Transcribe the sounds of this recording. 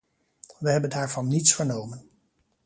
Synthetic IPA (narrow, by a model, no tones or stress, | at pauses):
ʋəɦɛbəndɦaːɹvɑnːitsfəɹnowmən